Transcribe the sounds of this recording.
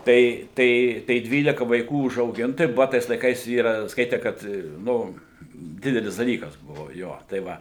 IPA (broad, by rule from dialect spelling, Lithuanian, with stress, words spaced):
ˈtɐɪ ˈtɐɪ tɐɪ ˈdʲʋʲiːlʲɪkɐ ʋɐɪˈkuː ʊʒɐʊˈɡʲɪnt tɐɪ ˈbʊʋɐ ˈtɐɪs lˠɐɪˈkɐɪs ˈiːrɐ ˈskɐɪtʲɛ ˈkɐt ˈnʊ ˈdʲɪdʲɛlʲɪs dɐˈlʲiːkɐs ˈbʊʋoː ˈjoː tɐɪ ˈʋɐ